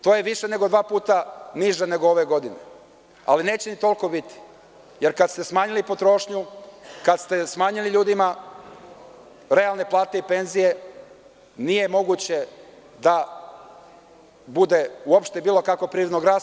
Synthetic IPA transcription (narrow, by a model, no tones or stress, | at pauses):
t̪oːje̞ʋiʃene̞ɡo̞d̪ʋaːpuːt̪aniʒene̞ɡoo̞ʋeɡo̞d̪inḛ | a̰line̞ːt͡ɕenit̪o̞lko̞bit̪i̥ | je̞ɾkad̪st̪e̞smaːɲilipo̞t̪ɾo̞ʃɲukad̪st̪e̞smaːɲiliʎuːd̪ima | ɾe̞alne̞plˠaːt̪e̞ipe̞nzije̞ | nije̞mo̞ɡut͡ɕe̞ | d̪a | bud̪e̞uopʃt̪ebiːlˠo̞kako̞pɾiɾid̪noɡɾaːs